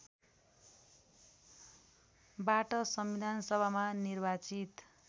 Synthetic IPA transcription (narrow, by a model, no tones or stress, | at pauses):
baʈʌsʌmbid̪ʱansʌbʱamanirbat͡sit̪